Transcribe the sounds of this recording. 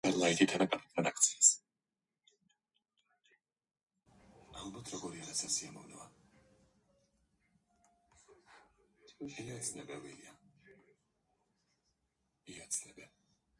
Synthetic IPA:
aɾlˠait̪ʼit̪ʰanakʼapʰit̪ʰmad̪akʰt̪sʰias | alˠbat̪ʰɾɔɡɔɾiaɾasasiamɔvnɔa | ilasʰnɛbɛvilia | iat̪sʰlɛbɛ

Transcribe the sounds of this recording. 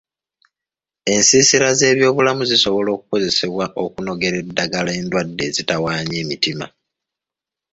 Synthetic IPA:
e̞nsiːsiɾaze̞ːβjo̞ːβulamuziso̞βo̞lo̞ːkuko̞ze̞se̞βwaʔo̞kuno̞ɡe̞ɾe̞dːaɡalae̞ːndwadːe̞ːzitawaːɲeːmitima̰

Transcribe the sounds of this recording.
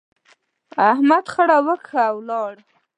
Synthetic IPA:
ahmad̪χaɽawəkʰaawlɑɽ

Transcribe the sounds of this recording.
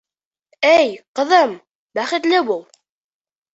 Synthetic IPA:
æjqəðˤəm | bæχid̪læwuw

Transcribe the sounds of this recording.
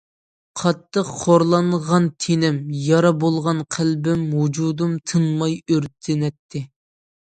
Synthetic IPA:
qʰɑt̪ʰːəqʰːoɾlˠɑnʁɑnt̪ʰenɪmjɑɾɑbolˠʁɑnqʰælbɪmɦud͡ʒud̪umt̪ʰɨnmɑjøɾt̪ʰɪnɛt̪ʰːɪ

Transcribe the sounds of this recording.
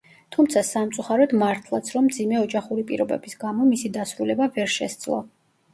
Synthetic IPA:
t̪ʰumt̪sʰasamt̪sʼuχaɾɔd̪maɾt̪ʰlˠat̪sʰɾɔmːd̪zimɛɔd͡ʒaχuɾipʼiɾɔbɛ̰bisɡamɔmisid̪asɾulɛbavɛɾʃɛ̰sd̪zlˠɔ̰

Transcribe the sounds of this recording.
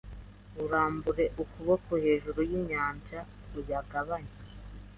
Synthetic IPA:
uɾaːmbuɾe̞ʔukuβokuhe̞ːʒuɾujiɲaːɲd͡ʒa | ɾujaɡaβaɲi

